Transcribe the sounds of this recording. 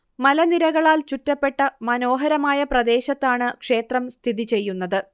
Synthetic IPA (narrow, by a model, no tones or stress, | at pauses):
mɐlɐniɾɐɣɐɭaːlt͡ɕutːɐpːe̞ʈːɐmɐno̞ːɦɐɾɐmaːjɐprɐd̪e̞ːɕɐt̪ːaːɳɨkʂe̞ːt̪rɐmst̪ʰiðit͡ɕe̞jːunːɐðɨ